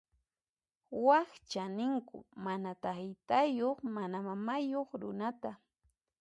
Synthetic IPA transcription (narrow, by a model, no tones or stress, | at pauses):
waxt͡ʃanɪŋkʊ̰manat̪aχɪt̪ajoχmanamamajoχɾʊ̰nat̪a